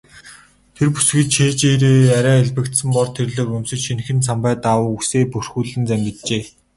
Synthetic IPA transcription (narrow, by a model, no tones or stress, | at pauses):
t̪ʰerpu̥sɡɘ̆t͡ɕʃʰeːt͡ɕeːɾeːaɾʲæːeɮpɘ̆kt̪sɘ̆mpɔrt̪ʰerɮɘ̆kɵmsɵ̆t͡ɕʃin̆xɘ̆nsʰampæːt̪awʊukseːpɵr̥xuːɮɘ̆nt͡sæmɡʲɪ̆t̪t͡ɕeː